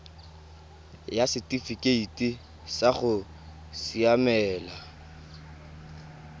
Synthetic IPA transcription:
jasɪtʼifikʼeitʼi | saχʊ | siamɛːla

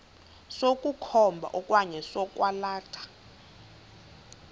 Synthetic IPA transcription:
sokʼukʰɔmbʱa̰ʔɔkʼwaɲɛsɔk̬ʼwalaːtʰḁ

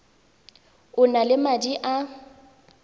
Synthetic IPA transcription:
ʊnalɪmadiʔa

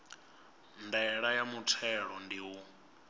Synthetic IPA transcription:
ndɛɺajamutʰɛɺɔndiwu

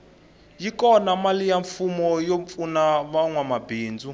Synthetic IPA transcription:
jikɔnamalijaɱfumɔjoɱfunaβaŋwamabiːnd͡zu

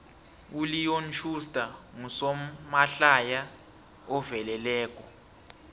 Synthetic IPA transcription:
ulijont͡ʃʰustʼaŋusɔmaɬaja | ɔvɛlɛlɛːk̬ʼɔ

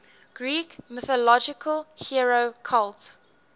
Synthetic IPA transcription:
ɡ̥ɹiːkmɪθɔlɔd͡ʒɪkʰəlhiɹokʰalt

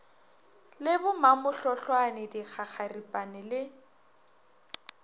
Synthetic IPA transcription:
lɪbʊmamʊɬɔɬwanɪdik͡xʰaχaripʼanɪlɪ

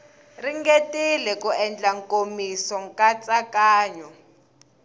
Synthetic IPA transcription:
riŋɡetʼilɛkuɛnd͡ɮaŋkʼomisɔŋkʼat͡sʼakʼaːɲɔ

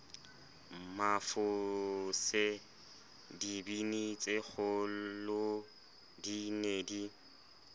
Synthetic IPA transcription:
mafʊsɪ | dibinit͡sʼɪɣʊlʊ | dinedi

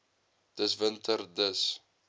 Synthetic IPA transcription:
d̪̥əsvənt̪ərd̪əs

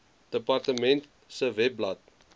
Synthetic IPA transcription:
d̥əpɐrtəmɛnt | səvɛplɐt̚

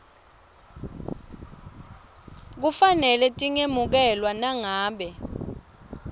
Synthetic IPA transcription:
k̬ufanɛlɛtʼiŋemuk̬ɛlwanaŋaːɓɛ

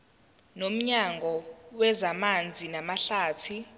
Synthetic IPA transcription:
nom̩ɲaŋɡʱɔwɛzamand͡zʱinamaɬaːtʰi

